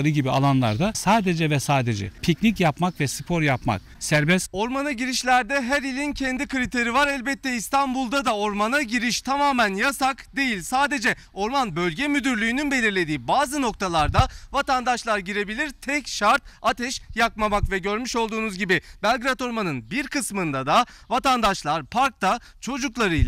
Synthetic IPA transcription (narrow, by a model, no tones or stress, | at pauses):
ɾɯɟibia̰lˠanlˠa̰ɾd̪asaːd̪ed͡ʒɛvɛsaːd̪ed͡ʒɛ̰pʰicnicjapmakvɛsɯpʰo̞ɾjapma̰k̚ | sæɾbɛso̞ɾmanaɟiɾiʃlʲæɾd̪ɛɦæɾilʲincʰɛnd̪ikɯɾit̪ʰe̞ɾivaɾælʲbɛt̪ʰːɛist̪ʰanbulˠd̪ad̪ao̞ɾmanaɟiɾiʃt̪ʰamaːmænjasakd̪e̞jilʲsaːd̪e̞d͡ʒɛ | o̞ɾmanbø̞lʲɟɛmyd̪yɾlʲyjːnynbe̞lʲiɾlʲe̞d̪iːbaːzɯno̞kt̪ʰalˠaɾd̪avat̪and̪aʃlˠaɾɟiɾe̞bilʲiɾt̪ʰɛcʃaɾt̪̚at̪ʰɛʃjakmamakvɛɟø̞ɾmyʃo̞lˠd̪uːnuzɟibibɛlʲɡɾat̪o̞ɾmanɯnbiɾkɯsmɯnd̪ad̪avat̪and̪aʃlˠaɾpʰaɾk̚t̪a | t͡ʃʰo̞d͡ʒuklˠaɾɯjl